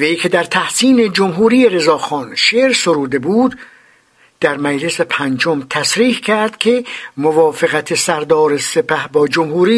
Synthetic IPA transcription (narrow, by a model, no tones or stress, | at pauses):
vejkʰe̞d̪æɾt̪ʰæhsiːne̞d͡ʒomɦuːɾiːjeɾe̞zɒːxɒːnʃeːɾsoɾuːd̪e̞buːd̪ | d̪̥æɾmæd͡ʒle̞se̞pʰænd͡ʒomt̪ʰæsɾiːhkʰæɾd̪̥kʲʰe̞movɒːfeɣæt̪ʰe̞sæɾd̪ɒːɾese̞pæhbɒːd͡ʒomhuːɾiː